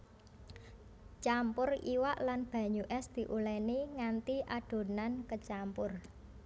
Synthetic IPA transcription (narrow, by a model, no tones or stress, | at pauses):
t͡ʃampʊrḭwaʔlanb̥ä̤ɲuʔɛsd̪̥i̤ʔulɛniŋant̪iʔaɖ̥o̤nankət͡ʃampʊr